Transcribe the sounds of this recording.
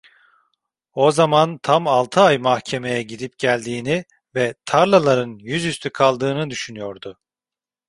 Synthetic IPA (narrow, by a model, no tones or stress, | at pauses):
o̞zamant̪ʰamalˠt̪ʰɯajmahcʰe̞me̞jɛɟiɾip̚ɟælʲd̪iːni | vɛt̪ʰaɾlˠalˠaɾɯnjyzjyst̪ʰykʰalˠd̪ɯːnɯd̪yʃynyjo̞ɾd̪ʊ